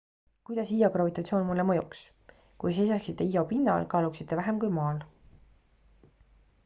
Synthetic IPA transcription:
kujd̪̥ɑsijoɡrɑvit̪ːˑɑt̪sʲioːnmulːemɤjuks | kujs̬e̞jsɑksit̪ːˑe̞ijo̞pinːɑ̰lkɑːluksit̪ːe̞væɦemkujmɑːl

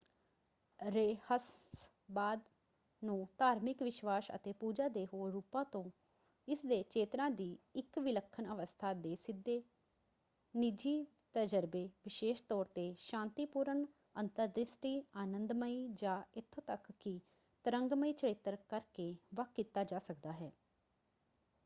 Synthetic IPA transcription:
ɾeːhəs | baːd̪ | nũːt̪aːɾmɪkʋɪʃʋaːsə̰t̪eːpuːd͡ʒaːd̪eːɦoːɾuːpãːt̪õː | ɪsd̪eːt͡ʃeːt̪ɾãːd̪iːɪkʋɪləkʰːənəʋəst̪ʰaːd̪eːsɪd̪ːeː | nid͡ʒiː | t̪əd͡ʒəɾbeːʋɪʃeːʃt̪ɔːɾt̪eːʃãːnt̪iːpuːɾən | ənt̪əɾd̪ɾɪsʈiːaːnənd̪məiːd͡ʒãːɪt̪ʰːõːt̪əkːɪ | t̪əɾəŋɡməiːt͡ʃəɽɪt̪ːəɾkəɾkeːʋəkʰkːiːt̪aːd͡ʒaːsəkd̪aːɦɛː

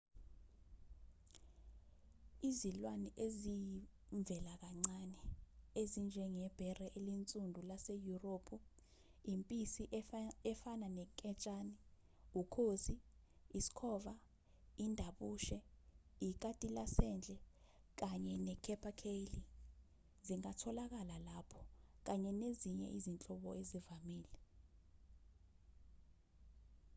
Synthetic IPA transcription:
izilwanɛʔeziɱb̪vɛlak̬aŋ͡ǀanɛezind͡ʒʱɛŋɛb̥ʱɛrɛʔelint͡sʼundʱulasejuroːpʰu | impʼisiʔɛfananɛkʼɛt͡ʃʼani | ukʰoziisi̥kʰɔːva | indʱaɓuːʃɛik̬ʼatʼilasɛnd͡ɮʱɛ | k̬aɲɛnɛkʰɛpʰʼakʰeli | ziŋatʰɔlak̬alalapʰɔ̥k̬aɲɛneziɲɛ̰ʔizint͡ɬʼɔɓɔezivamiːlɛ

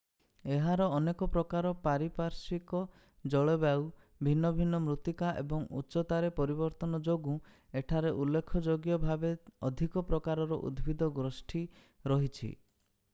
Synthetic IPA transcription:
eɦaɾɔːnekɔpɾɔkaɾɔpaɾipaɾsikɔ | d͡ʒɔɭɔbaw | bʱinːɔbʱinːɔmɾut̪ikaʔḛbɔŋṵːt͡ʃɔt̪aɾepɔɾibɔɾt̪ɔnɔd͡ʒoɡu | eʈʰaɾeʔulːekʰɔd͡ʒoɡjɔbʱabeɔd̪ʱikɔpɾɔkaɾɔɾɔʔṵd̪bʱid̪ɔɡɾɔsʈʰi | ɾɔɦit͡ʃʰḭ

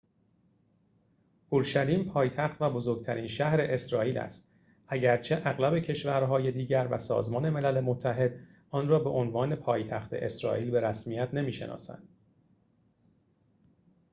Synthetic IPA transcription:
uɾʃæliːmpʰɒːjt̪ʰæxt̪væbo̞zo̞ɾɡ̚t̪ʰæɾiːnʃæhɾe̞ʔesɾɒːiːlæ̰st̪ | ʔæɟæɾt͡ʃʰe̞ʔæɣlæbe̞cʰe̞ʃvæɾɦɒːje̞d̪iːɟæɾvæ̰sɒ̰ːzmɒːne̞me̞lælemot̪ʰːæɦe̞d̪ | ʔɒːnrɒːbe̞ʔonvɒːne̞pʰɒːjt̪ʰæxt̪ʰe̞̰ʔe̞sɾɒ̰ːʔiːlbe̞ɾæsmijæt̪ʰne̞miːʃenʔɒ̰ːsæ̰nd̪̥̚

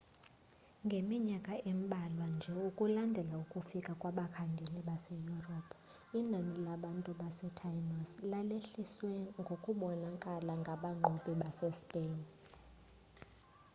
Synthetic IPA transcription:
ŋɡʱemiɲakʼaem̩ɓʱalwand͡ʒʱɛukʼulandʱɛlaukʼufikʼakʼwaɓakʰaŋɡʱeniɓasɛjurɔpʰ | inʱanilaɓantʼuɓasɛtʰajnɔslaleɬiswɛŋɡʱokʼuɓɔnakʼalaŋɡʱaɓaŋ͡ǃʱuɓiɓasɛspʼen

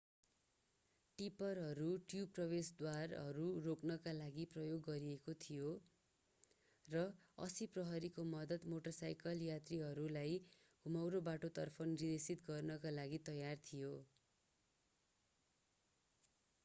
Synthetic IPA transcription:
ʈipʌrɦʌɾuʈjuprʌbesd̪warɦʌɾuroknʌkalaɡiprʌjoɡːʌɾiekot̪ʰijo | rʌʌ̰siprʌɦʌɾikomʌd̪ʌt̪moʈʌrsajkʌljat̪riɦʌɾulaj | ɡʱumawɾobaʈot̪ʌrpʰʌnrid̪esit̪ɡʌrnʌkalaɡit̪ʌjart̪ʰijo

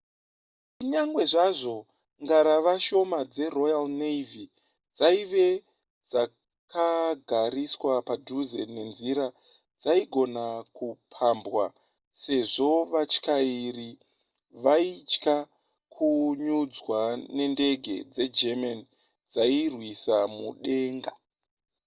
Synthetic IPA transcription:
kuɲaŋɡwe̞ʐaʐo̞ | ŋɡaɾaʋaʃo̞mad͡ze̞ro̞jalneivi | d͡zaiʋe̞ | d͡za | kaɡʱaɾiswapaduzḛne̞nziɾa | d͡zaiɡʱo̞nakupʰambwa | se̞ʐo̞ʋat͡ʃkairi | ʋait͡ʃka | kʰuɲud͡zwane̞nde̞ɡʱe̞̰d͡ze̞d͡ʒemani | d͡zairwisamṵɗe̞ːŋɡa

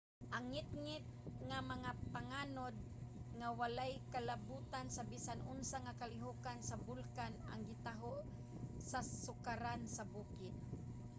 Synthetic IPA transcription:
ʔaŋːɪt̪̚ŋɪt̪̚ŋamaŋapaŋaːnod̪̚ | ŋawalajkalabuːt̪ansabisanʔʊnsaŋakalɪɦukansabʊlkan | a̰ŋɡɪt̪aɦo | sasʊkaɾansabuːkɪt̪̚

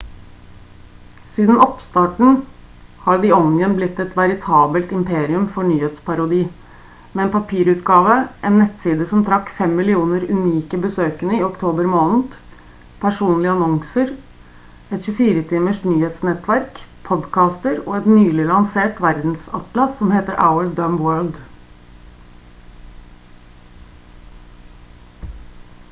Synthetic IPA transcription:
siːd̪n̩ɔpst̪ɑːʈɳ̩ | hɑːɾɖɪɔnjənblɪt̪ːɛt̪ʋɑɾɪt̪ʰɑːbəlt̪ɪmpeːɾɪʉmfɔɳyːheːt̪spʰɑɾʊd̪iː | mɛɛnpʰɑpʰiːɾʉːt̪ɡɑːʋəʔɛːnːɛt̪ːsiːd̪əsɔmt̪ʰɾɑkːfɛmːɪlɪuːnəɾʉniːkəbəsøːkənəɪɔkt̪ʰoːbəɾmoːnn̩ | pʰæʂuːnlɪɑnɔŋsəɾ | ɛt̪çʉfiːɾət̪ʰiːməʂʈnyːheːt̪snɛt̪ʋæɾkpʰɔd̪kʰɑːst̪əɾoːɛt̪nyːlɪlɑŋseːʈʋæɾd̪n̩sɑt̪lɑsɔmheːt̪əɾʔa̰ʊəld̪œmwøːɭd̪

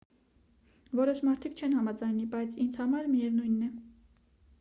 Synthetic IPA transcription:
vɔɾɔʃmɑɾt̪ʰikʰt͡ʃʰɛnhɑmɑd͡zɑjnibɑjt͡sʰind͡zʰhɑmɑɾmijɛvnujnːɛ

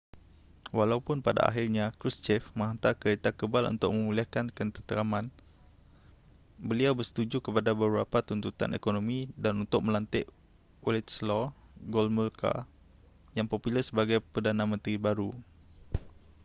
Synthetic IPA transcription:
walaupʊnpada̰a̰ɦirɲãkɾist͡ʃɛfmə̃ŋɦant̪akəɾet̪akəbalṵnt̪ʊk̚mə̃muliahkankənt̪ət̪əɾamãn | bəliawbərsə̥t̪ud͡ʒukəpadabəbɾapat̪unt̪ut̪a̰nḛkonomĩdanunt̪ʊk̚mə̃lant̪ɪʔ | olɛt̪slɔɡɔlmulka̰ | jaŋpopiləsəbaɡajpərdanãmə̃nt̪ɾibaɾu

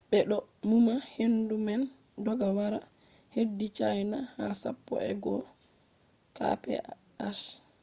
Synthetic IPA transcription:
ɓɛɗɔmumahendumɛn | dɔɡawaɾa | hedːit͡ʃajnahasa̰pːɔ̰ɛ̰ɡɔ | ka̰pɛ̰ | as

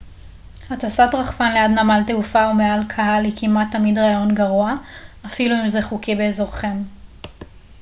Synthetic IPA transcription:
hatasatʁaχfanlejad̪namalteufaumealkʰaɦalikʰimat̪ːamidʁaajo̞nɡaʁuaafiluimzeχukibeːzoʁχe̞m

